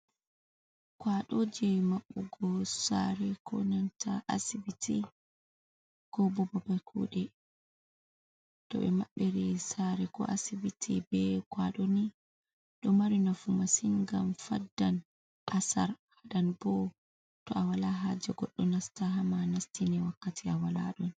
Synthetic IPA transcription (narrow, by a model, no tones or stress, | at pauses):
kwaɗod͡ʒɛmaɓːuɡɔsaɾɛkʰɔ̰nantʰa̰ʔa̰sibitʰi | kɔbɔbɔbakʰṵːɗɛ | tɔ̰ɓɛ̰maɓːeɾisaɾɛkɔ̰ʔasibitʰibɛɡwaɗɔni | ɗɔmaɾinafumasinɡamfadːan | ʔasa̰ɾhaɗanbɔ | tɔawalaɦad͡ʒɛɡɔɗːɔnastaɦamanastinɛwakːatʰiawala̰ɗɔn